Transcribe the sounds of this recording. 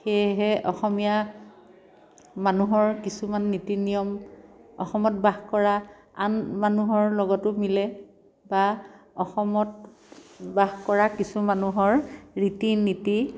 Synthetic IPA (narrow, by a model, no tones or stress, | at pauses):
xejɦɛʔɔxɔmija | manuɦɔɹkisumanːitinijɔmɔ̰xɔmɔtbaɦkɔɹa | anmanuɦɔɹlɔɡɔtʊmilɛ | baɔxɔmɔt | baɦkɔɹakisumanuɦɔɹɹitiniti